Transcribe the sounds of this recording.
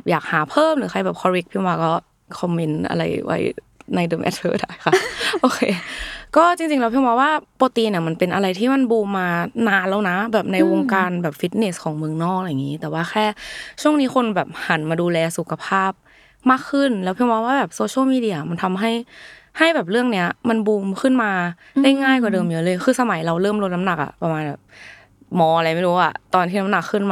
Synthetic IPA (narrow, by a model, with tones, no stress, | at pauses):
p̚jaː˨˩k̚haː˩˦pʰɤː˥˨mɾɯː˩˦xʰa˧jbɛː˨˩p̚kʰɔ˧ɾi˦˥k̚pʰi˧˥˧ŋwaː˧kɔː˥˩ | kʰɔ˧mːi˧nʔa̰˧ɾa̰˧jwa̰˦˥j | na˧jdɤː˧mʔɛ̰˨˦t̪̚ʰɤ̰ː˧˥daː˦˥˩jxʰa˧˩ʔoː˧kʰe˧kɔː˥˩t͡ɕi˧ŋt͡ɕi˧ŋlɛː˦˥pʰi˧ŋwaː˧˥waː˥˩poː˧t̪iː˧ni˧˩˨ma˧npe˧nʔa˧ɾa˧jt̪ʰiː˥˩ma˧˥˨nbuː˧maː˧naː˧nla˧˩wna˦˥bɛː˨˩p̚na˧jwo˧ŋkaː˧nbɛː˨˩p̚fi˦˥t̪̚ne˧˦˥skʰɔː˩˦ŋmɯ˧əŋnɔː˥˩k̚la˧jŋːiː˨˦˥t̪ɛː˨˩waː˥˩xʰɛː˥˩t͡ɕʰu˥˩əŋniː˦˥xʰo˧nbɛː˨˩p̚ha˨˩˦nmaː˧duː˧lɛː˧su˨˩kʰa˧pʰaː˥˩p̚ | maː˥˩kʰːɯ˥˩˨nlɛː˦˥pʰi˧waː˧˦waː˥˩bɛː˨˩p̚soː˧ɕʰi˥˨miː˧di˧˥˧ɐ˨˩ma˧nt̪ʰa˧mɦa˥˩jha˥˩jbɛː˨˩p̚lɯ˥˩əŋni˦˥ɐma˧nbuː˧mkʰɯ˥˩˨nmaː˧ | la˥˩ŋaː˥˩jk̬ɔː˧˩dɤː˧mjɤ˦˧˥lɤː˧jxʰɯː˧sa˧ma˨˦jɾa˧wlɤː˥˩˨mlo˧t̪̚na˧˦˥na˨˩k̚ʔa̰˨˩pa˧maː˧nbɛː˨˩p̚ | mɔː˧a˧la˧jma˥˩luː˧˦˩ʔa̰˨˩t̪ɔː˧nt̪ʰiː˥˩na˧˥mna˨˩kʰːɯ˥˩nmː